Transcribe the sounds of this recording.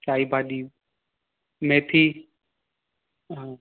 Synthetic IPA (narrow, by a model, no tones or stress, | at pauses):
t͡ʃaːiːbaːɗ̪iː | mẽːt̪ʰiː | ɦã